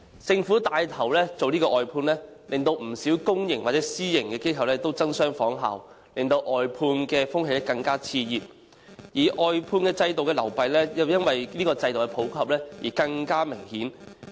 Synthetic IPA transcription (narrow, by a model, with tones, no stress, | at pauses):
t͡sɪ˧ŋfuː˨˥t̪aː˨˧jt̪ʰɐ˨˩wlɛː˥t͡so˨wliː˥kɔː˧ʔɔː˨jpʰuː˧nlɛː˥lɪ˨ŋt̪o˧wm̩˨˩siː˨˥wkʊ˥ŋjɪ˨ŋwaː˨t̚t͡sɛ˨˥siː˥jɪ˨˩ŋkɛː˧ke˥jkʰɐ˨wlɛː˥t̪o˥wt͡sɐ˥ŋsœː˥ŋfɔː˨˥ŋɦa̰ː˨w | lɪ˨ŋt̪o˧wʔɔː˨jpʰuː˧nkɛː˧fʊ˥ŋɦe˧jlɛ˥kɐ˧ŋkaː˥t͡sʰiː˧jiː˨p̚ | jiː˨˩ʔɔː˨jpʰuː˧nkɛː˧t͡sɐ˧jt̪̬o˨wkɛː˧lɐ˨˩wpɐ˨jlɛː˥jɐ˨˧wjɐ˥nwɐ˨jliː˥kɔː˧t͡sɐ˧jt̪o˨wkɛ˧˩pʰo˨˥wkʰɐ˨p̚lɛː˥jiː˨˩kɐ˧ŋkaː˥mɪ˨˩ŋhiː˨˥n